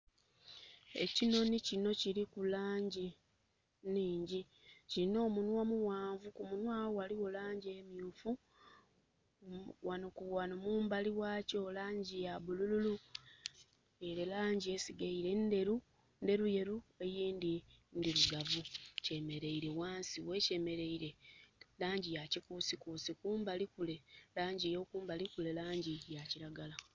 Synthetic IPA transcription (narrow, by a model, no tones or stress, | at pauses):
e̞̰cino̞nicino̞ciɾikulaːɲɟi | niːɲɟi | ciino̞ːmunwamuwaːɱvukumunwaːwowaliwo̞laːɲɟemjufu | wanokuβwanomuːmbaliwaːcoːlaːɲɟijaβulululu | eɾelaːɲɟie̞siɡaiɾe̞nde̞ɾu | nde̞ɾuje̞ɾue̞jiːndindiɾuɡavuce̞me̞ɾe̞iɾe̞waːnsiwe̞ce̞me̞ɾe̞iɾe̞laːɲɟijacikusikusikuːmbalikule̞laːɲɟijo̞kuːmbalikule̞laːɲɟijaciɾaɡala